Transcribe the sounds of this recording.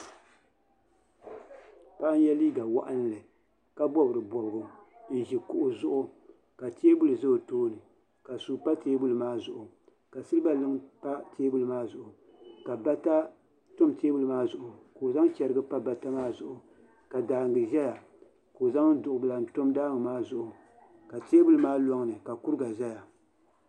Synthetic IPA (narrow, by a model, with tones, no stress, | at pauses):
pa˦ʔn˦jɛ˦liː˦ɡa˨wa̰˦ʔa˦n˦lɨ˨ | ka˦bɔ˦bɨ˨ɾɨ˨bɔ˨bɨ˨ɡʊ˨ʒi˨kʊ˨ʔʊ˨zʊ˦ʔʊ˦ | ka˨teː˦bu˦lɨ˨zɨ˦˨toː˦nɨ˨ | ka˨su˨pa˦teː˦bu˦lɨ˨maː˦zʊ˨ʔʊ˨ | ka˨sɨ˦lɨ˦ba˦lɨ˦ŋpa˦teː˦bu˦lɨ˨maː˦zʊ˨ʔʊ˨ | ka˨ba˦ta˦ | to˦mteː˦bu˦lɨ˨maː˦zʊ˨ʔʊ˨ko˨za˦ŋ˦t͡ʃɛ˨ɾɨ˦ɡɨ˦pa˦ba˨ta˦maː˦zʊ˨ʔʊ˨ | ka˨daː˨ŋɡɨ˨ʒɛ˦ja˨ | ko˨za˦ŋ̩˦dʊ˨ʔʊ˨bɨ˨la˨n̩˨to˦mdaː˦ŋɨ˨maː˦zʊ˨ʔʊ˨ | ka˨teː˦bu˦lɨ˨maː˦lɔ˦ŋ˦nɨ˨ka˨ku˦ɾɡa˨ʒɛ˦ja˨